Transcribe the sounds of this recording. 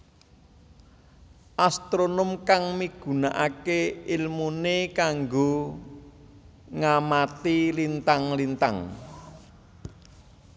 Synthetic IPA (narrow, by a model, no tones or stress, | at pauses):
ʔast̪ɾonomkaŋmiɡ̥ṳnaʔakeilmunekaŋɡo | ŋamat̪ilint̪aŋlint̪aŋ